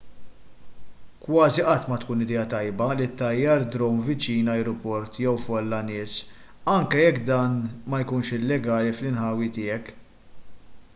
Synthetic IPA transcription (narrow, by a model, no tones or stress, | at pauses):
kwɐːziʔɐt̪ːmɐt̪kuːnɪd̪ɛːɐt̪ɐjbɐlit̪ːɐjːɐɾd̪ɾɔmvɪt͡ʃiːnɐjɾɔpɔɾt̪jɛwfɔlːɐnɪːs | ɐŋkɛjɛkːd̪ɐːnmɐjkuːnʃɪlːɛɡɐːliflɪnħɐːwit̪ɪːɛk